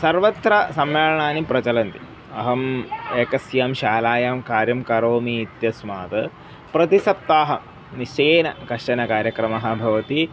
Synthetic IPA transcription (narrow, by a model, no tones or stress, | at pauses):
sɐɾʋɐt̪ɾɐsɐmːeːlɐɳaːnipɾɐt͡ʃɐlɐnt̪ḭ | ɐɦɐmeːkɐsjaːmʃaːlaːjaːmkaːɾjɐmkɐɾoːmiːt̪jɐsmaːt̪ɐ | pɾɐt̪isɐp̚t̪aːɦɐ | nit͡ʃeːnɐ̰kɐʂʈɐnɐkaːɾjɐkɾɐmɐɦɐ̆bʱɐʋɐt̪i